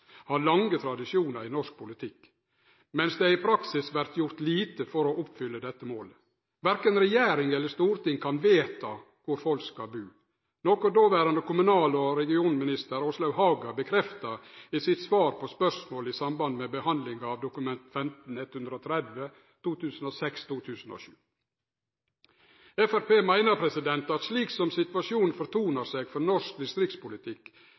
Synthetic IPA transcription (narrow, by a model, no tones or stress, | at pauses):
hɑɾlɑŋɡət̪ʰɾɑd̪ɪʂjuːnəɾɪnɔʂk̚pʰʊlɪt̪ʰɪkː | mɛnsd̪ɛæɾɪpʰɾɑksɪsʋæɾt̪jʊɾt̪liːt̪əfɔɾɔʔɔpːfʏlːəd̪ɛt̪ːəmoːlə | ʋæɾkənɾɛjæːɾɪŋɛlːəʂt̪uːɾt̪ɪŋkʰɑnʋeːt̪ʰɑ | kʰʊɾfɔlkskɑlbʉː | nɔkɔt̪d̪oːʋæːɾɑnd̪əkʰʊmʉnɑːlɔɾɛɡɪuːnmɪnɪst̪əɾoːslɑʉɦɑːɡəbəkʰɾɛft̪ɑiːsɪt̪sʋɑːɾpʰɔspœʂmoːlɪsɑmbɑnd̪mɛbəhɑnd̪lɪŋɑʋd̪ʊkʉmɛnt̪fɛmt̪n̩ɛt̪hʉnd̪ɾəɔːt̪ʰɾɛd̪ʋə | t̪uːt̪ʰʉːsn̩oːsɛkst̪ʰuːt̪ʰʉːsn̩o̰ːʃʉ̰ː | ɛfæɾpeːmæɪnəɾpʰɾɛsɪd̪ɛnt̪ɑt̪sliːksɔmsɪt̪ʋɑʃuːn̩fɔɾt̪ʰuːnəɾseːɡfɔɾnɔʂk̚d̪ɪst̪ɾɪk̚t̪spʊlɪt̪ʰɪkː